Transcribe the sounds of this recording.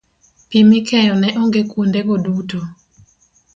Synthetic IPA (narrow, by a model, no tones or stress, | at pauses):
pimɪkʰɛjɔnɛʔoŋɡekwondeɡoduto